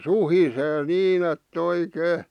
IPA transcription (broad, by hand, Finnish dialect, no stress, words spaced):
suhiseː niːn etː oikeː